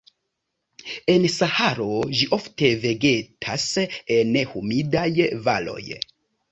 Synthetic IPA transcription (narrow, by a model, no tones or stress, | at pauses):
e̞nsahaɾo̞ʒiʔo̞fte̞ve̞ɡe̞tʰasene̞humidajva̰lo̞̰j